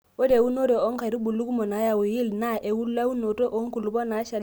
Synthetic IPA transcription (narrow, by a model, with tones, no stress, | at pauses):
wo˦de˨wu˦no˦do˨o˦ŋ˦ka˨ɾi˦bu˨lu˦ku˦mo˨na˨˦ja˨wu˨ji˦lna˦ʔe˨wu˦lla˦wu˦no˨to˦ʔo˦ŋ˦ku˨lu˨bɔ˦na˨˦ʃa˨l